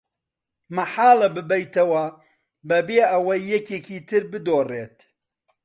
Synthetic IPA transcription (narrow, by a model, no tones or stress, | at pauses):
mɐħaːlɐbɨbɐjt̪ɐwɐ | bɐbeːɐwɐjːɛkeːkʰiːt̪ʰɨɾbɨd̪oːreːt̪